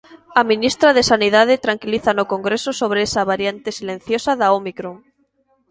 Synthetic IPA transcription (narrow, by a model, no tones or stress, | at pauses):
amĩnist̪ɾaðesanið̞aðet̪ɾaŋkiliθanokoŋɡɾesosoβ̞ɾeesaβaɾjant̪esilẽn̟θjosaðaomikɾoŋ